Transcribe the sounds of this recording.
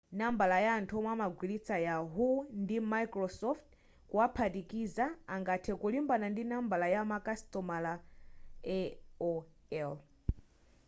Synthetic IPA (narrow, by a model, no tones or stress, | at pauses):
nambalajantʰɔmwamaɡwilit͡sʰajaɦundimajkɾɔsɔft | kuapʰatikizaːŋɡatʰɛkulimbanandinambalajamakastɔmala | ɛɔɛl